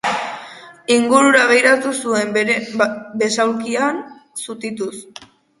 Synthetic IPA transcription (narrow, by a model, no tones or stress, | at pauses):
iŋɡuɾuɾaɣejɾat̪usue̞m | be̞sawkiansut̪it̪us